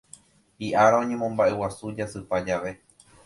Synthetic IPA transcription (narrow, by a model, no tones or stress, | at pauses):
iʔaɾaõ̞ɲẽ̞mõ̞mbaʔe̞wasud͡ʒasɨpad͡ʒaʋe̞